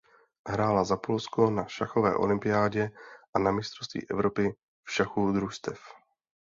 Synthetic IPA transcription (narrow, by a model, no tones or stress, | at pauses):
ɦɾaːlazapolskonaʃaxo̞vɛ̰ːʔo̞̰lɪmpɪjaːɟɛʔanamɪst̪ɾost̪vḭːʔɛvɾo̞pɪ | fʃaxud̪ɾust̪ɛf